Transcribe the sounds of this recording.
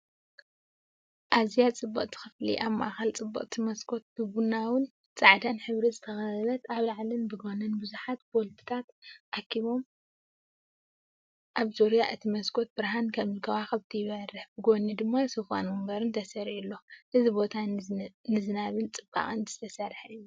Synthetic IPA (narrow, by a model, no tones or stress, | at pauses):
ʔazijat͡sʼɨbːɐqʼt̪ɨ̥xɨflḭʔaβmaʔaxɐlt͡sʼɨbːɐ̰qʼt̪ʰimɐskʰo̞t̪̚bɨbunawʊn | t͡sʼaʕd̪anħɨβɾizɨt̪ʰɐxɐɐβɐt̪aβlaʕlɨnbɨɡo̞nɐnbɨzuħat̪bolbɨ̥t̪ʰat̪ʔakʰːiβo̞m | ʔaβzoɾijaʔɨt̪ʰimɐskʰo̞t̪̚bɨɾɦankʰɐmɨlkʰɐwaxɐβt̪ʰɐjɪβɐɾːɨħbɨɡo̞nid̪ɨmːajsofa̰nmumbɐɾɨnt̪ʰɐsɐɾilːo̞ʔɨzibo̞t̪ʰanɨzɨnaβɨlt͡sʼɨba̰χʼɨnzʰɨ̥t̪ʰɐsɐɾħɐɨjːu